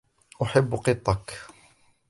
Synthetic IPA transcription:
ʔʊħɪbːqɨt̪ˤːɑk

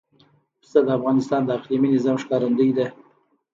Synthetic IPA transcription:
st̪ad̪əafɣɑnɪst̪ɑnd̪əaqliminɪzɑmʃkɑɾand̪əjd̪e

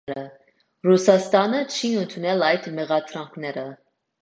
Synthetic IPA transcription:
ɾə | rusɑst̪ɑnət͡ʃʰiənt̪ʰunɛlɑjd̪mɛʁɑd̪ʰɾɑŋkʰnɛɾə

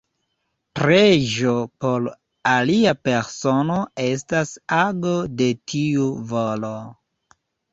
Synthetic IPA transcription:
pɾeʒopo̞ɾ | aliape̞ɾsono̞e̞s̬tasaɡo̞de̞tʰiuvolo

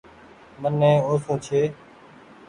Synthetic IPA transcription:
mənːɛ̃ːoːsũːt͡ʃʰeː

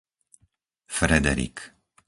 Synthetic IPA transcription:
fɾɛd̪ɛ̰ɾḭk

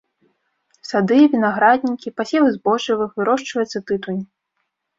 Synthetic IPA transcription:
sad̪ɨvʲinaɣɾad̪ʲnʲikʲipasʲɛlˠɨzbɔʐivɨxvɨɾɔʂt͡ʂvɐjɨt̪sːɐt̪ɨt̪unʲ

